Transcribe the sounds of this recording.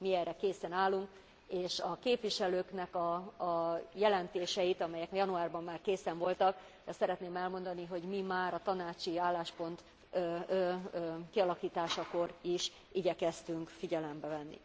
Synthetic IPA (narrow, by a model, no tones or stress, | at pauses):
miɛːrːɛkeːsɛnaːlːuŋk | eːʃɒkeːpʋiʃɛløːknɛkɒ | jɛlɛnt̪eːʃɛjit̪ɒmɛjɛkɒjɒnuaːrbɒmːaːrkeːsɛɱvo̞lt̪ɒk | d̪ɛsɛɾɛt̪neːmɛlmo̞nd̪ɒniɦo̞ɟmimaːɾɒt̪ɒnaːt͡ʃiaːlːaːʃpo̞nt̪ | kiɒlɒkiːt̪aːʃɒko̞ɾiʃ | iɟɛkɛst̪yŋkfiɟɛlɛmbɛvɛnːḭ